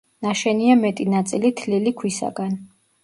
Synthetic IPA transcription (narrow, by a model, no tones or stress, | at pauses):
naʃɛniamɛt̪ʼinat̪sʼilit̪ʰlilikʰwisa̰ɡan